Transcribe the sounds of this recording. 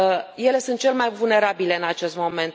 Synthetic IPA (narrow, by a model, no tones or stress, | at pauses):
je̞le̞sunt̪̚t͡ʃe̞lemajvulne̞ɾabile̞ɨnat͡ʃe̞st̪mo̞mẽ̞nt̪